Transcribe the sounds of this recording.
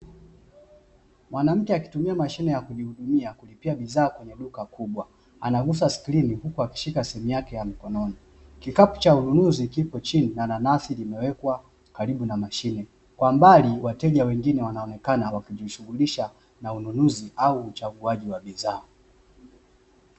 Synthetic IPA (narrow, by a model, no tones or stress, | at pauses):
mwanam̩kɛaki̥tumiamaʃinɛjakuʄihuɗumiakulipiaɓiðaːkwɛɲɛɗukakʰuɓwa | anaɡusasklinihukuaki̥ʃikasɛhɛmujakɛjamikɔnɔni | kikapu̥t͡ʃaununuzikipɔt͡ʃininananasilimɛwɛkwa | kaɾiɓunamaʃinɛ | kwambaliwatɛʄiawɛŋɡinɛwanaɔnɛkanawakiʄiʃuɣuliʃa | naununuziʔauːt͡ʃaɡuaʄiwaɓizaː